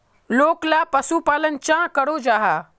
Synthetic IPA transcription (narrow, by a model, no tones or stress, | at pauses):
loːklapɐsupaːlənt͡ʃãkəɽod͡ʒaːɦaː